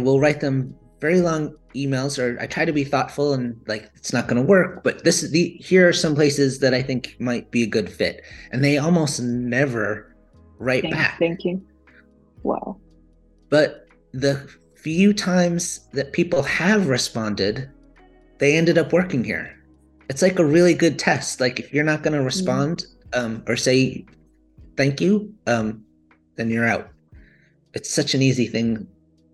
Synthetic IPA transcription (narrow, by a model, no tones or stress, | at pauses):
wɪlˠɹaɪt̪̚ðə̃ɱ | vɛɹilɔ̃ŋimeɪlˠzə˞a̰ɪtʰɹ̥aɪd̚tʰɨbiθɔtfl̩ˠə̃nlaɪkɨtsnət̚ɡ̥ʌnəwɜ˞k̚b̥ʌt̪̚ðɪsðihiɹə˞sʌ̃mpʰl̥eɪsɨzðɨɾaɪθɪ̃ŋkmaɪt̚b̥iɨɡʊd̥fɪ̰ɾʔɨ̃nðeɪɔlˠmoʊstnɛvə˞ | ɹaɪt̚b̥æ̰k̚æ̃ŋkj | wɛ̰l | b̥ʌt̪̚ | ðɨ | fjʉtʰãɪ̃mz̥ðɨt̚pʰipl̩ˠɨvɹɨspɑ̃ndɪd̪̚ | ðeɪɛ̃ndɨɾʌpwɜ˞kɪ̃ŋhḭɹ | ɨtslaɪkəɹɪlˠiɡʊd̚tʰɛstlaɪkɨfjə˞nət̚ɡ̥ʌnəɹɨspɑ̃nd | ʌ̃mə˞seɪ | θæ̃ŋkjʉʔʌ̃m | ðɨ̃njə˞aʊt̚ | ɨtsʌt͡ʃɨ̃niziθɪ̃ŋ